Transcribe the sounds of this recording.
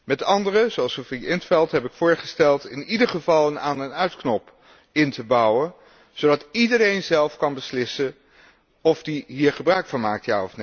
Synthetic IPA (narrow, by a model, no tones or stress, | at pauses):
mɛtɑndərəzoɑlˠsofiɪntfɛlˠtɦɛpɪkfʊːɹχəstɛlˠtɪnidəχəvɑlˠənaːnənœɥtknɔp | ɪntəbɑwən | z̥owdɑtidəɾejnzɛlˠfkɑnbəslɪsə | ɔvdiɦiːɹχəbrœɥkfɑnmaːk̚tjaːɔfne